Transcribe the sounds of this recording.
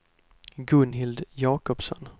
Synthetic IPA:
ɡɵnɦɪld̪jɑːkɔpsɔ̰n

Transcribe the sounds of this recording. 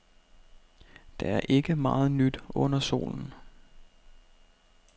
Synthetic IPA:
d̥ɑ̈æɐʔe̝ɡ̥əmɑ̈ːð̞̩ˠnyd̥ɔ̽n̰ɐso̝̰ːln̩

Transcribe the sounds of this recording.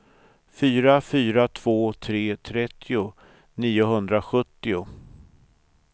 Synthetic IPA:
fyːɾafyːɾat̪ʰv̥oːt̪ʰɾeːt̪ʰɾɛt̪ːɪʊ | niːʊɦɵnd̪ɾaɧɵt̪ːɪʊ

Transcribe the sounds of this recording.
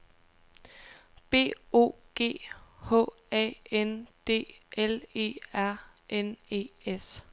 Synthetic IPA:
b̥e̝̰ːo̝̰ːɡ̥e̝̰ːhɔ̰ | ɛ̰ːend̥e̝̰ːele̝̰ːæɐ̰ʔene̝̰ːes

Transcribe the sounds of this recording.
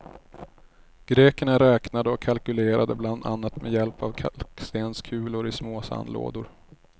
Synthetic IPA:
ɡ̥ɾeːkəɳaɾɛːknad̪əɔkʰalkɵleːɾad̪əbland̪a̰nːat̪mɛjɛlpavkʰalkst̪eːnskʰʉ̟ːlʊɾɪsmoːsa̰nlo̰ːd̪ʊɾ

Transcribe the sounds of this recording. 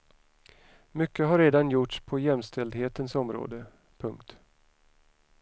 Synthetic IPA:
mʏkːəɦaɾeːd̪anjʊʈʂpʰɔjɛmst̪ʰɛld̪heːt̪ənsɔmɾo̰ːd̪ə | pʰɵŋkt̪

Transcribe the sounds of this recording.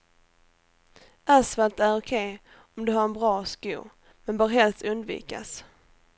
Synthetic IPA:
ʔasvalt̪æɾʊkʰeː | ɔmd̪ɵɦaɾɛnbɾɑːskʉ̰ː | mɛnbœːɾɦɛlst̪ɵnd̪vḭːka̰s

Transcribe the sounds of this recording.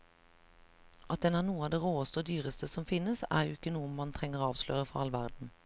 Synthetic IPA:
ʔɑt̪̚d̪ɛnæːʁnuːəɑːd̪eːʁoːəst̪əoːd̪yːʁəst̪ʰəsɔmfɪnːəsæ̰ːʁjʊɪkːənuːəmɑnt̪ʰʁɛŋəʁoːɑːʋslø̰ːʁəfɔɑlʋæʁd̪n̩

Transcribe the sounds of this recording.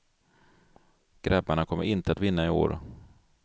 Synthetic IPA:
ɡ̥ɾɛbːaɳakʰɔmːə̰ɾɪnt̪əat̪vɪnːaɪo̰ːɾ

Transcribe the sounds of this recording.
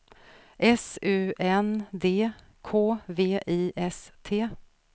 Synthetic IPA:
ʔɛsʉ̟ːɛnd̪eː | kʰoːveːʔiːʔɛst̪ʰeː

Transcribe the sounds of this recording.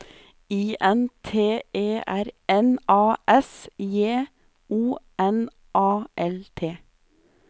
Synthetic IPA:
iːʔɛnt̪ʰeːeːʔæɾɛnɑːʔɛsjeː | uːʔɛn | ʔɑːʔɛlt̪ʰeː

